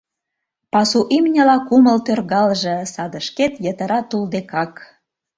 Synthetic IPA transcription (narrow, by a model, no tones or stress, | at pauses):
pɑsuʔimnʲə̆lɑkuməlt̪ørɣɑlʒĕsɑd̪ə̆ʃket̪jət̪ə̆ɾɑt̪uld̪ekɑk